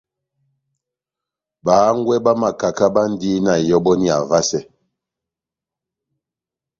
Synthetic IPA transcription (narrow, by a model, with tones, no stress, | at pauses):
baː˨˦ŋ˦ɡwɛ˦ba˦ma˨ka˨ka˦ba˦n˦di˦na˨jɔ˦bɔ˦ni˦a̰˨va˦sɛ˦